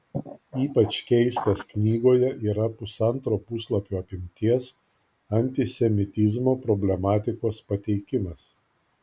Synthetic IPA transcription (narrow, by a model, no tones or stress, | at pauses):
iːpɐt͡ʃkʲɛɪst̪ɐsknʲiːɡoːjɛʔiːɾɐpʊsɐnˑt̪ɾoːpʊslˠɐpʲuːɐpʲɪmʲt̪ʲiɛs | ɐnʲt̪ʲɪsʲɛmʲɪt̪ʲɪzmoːpɾɔbʲlʲɛmɑːt̪ʲɪkoːspɐt̪ʲɛɪkʲɪmɐs